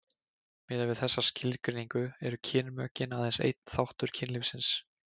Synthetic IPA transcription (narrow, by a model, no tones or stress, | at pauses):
mɪːðavɪðθɛsːascɪlkɾɪniŋkʏɛɾʏcʰɪːnmœːcɪnaðɛjnsḛjt̪̚n̥θawht̪ʏɾ̥cʰɪnlɪfsɪns